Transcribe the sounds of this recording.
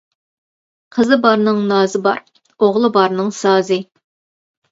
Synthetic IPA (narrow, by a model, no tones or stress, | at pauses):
qʰəzɨbɑɾnɨŋnɑːzɨbɑ̰ɾ | oʁlˠɨbɑɾnɨŋsɑːzɨ